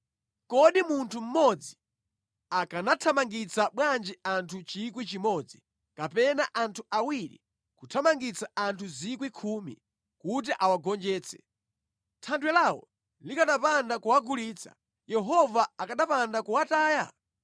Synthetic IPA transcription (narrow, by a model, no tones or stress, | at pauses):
kɔɗimuntʰum̩mɔd͡zi | akanatʰamaŋɡit͡saɓwand͡ʒɛantʰut͡ʃikwit͡ʃimɔd͡zi | kapɛnaʔantʰuʔawiɾḭ | kutʰamaŋɡit͡saantʰuzikwikʰumḭ | kut̬iʔawaɡɔnd͡ʒɛːt͡sʰɛ̥̰ | tʰandwɛlawɔ̰ | likaɗapandakuwaɡuliːt͡sʰa̰ | jɛɦɔvaakaɗapandakuwataːja̰